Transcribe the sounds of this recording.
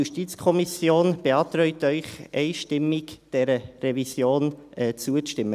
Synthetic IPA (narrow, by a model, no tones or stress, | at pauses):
uʃtit͡skʰɔmisjoːnb̥eɑːtɾœʏtœʏχɛɪʃtɪmɪkd̥ɛɾərɛvisjoːnɛt͡suət͡stɪmːə